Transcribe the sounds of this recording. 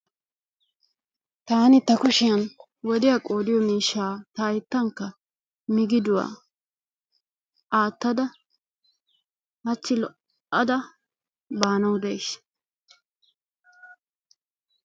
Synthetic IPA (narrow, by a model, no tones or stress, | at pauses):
t̪aːnɪt̪ːɐkʊʃɪjɐn | wɔd̪ɪjakʼo̞ːd̪ɪjɔmiːʃːaːt̪ɐjɪt̪ːɐŋkːɐ | mɪɡɪd̪ʊwa̰ː | aːt̪ːɐd̪ɐ | mɐt͡ʃːɪlɔ | ɐd̪ɐ | baːnɐwd̪ejʃ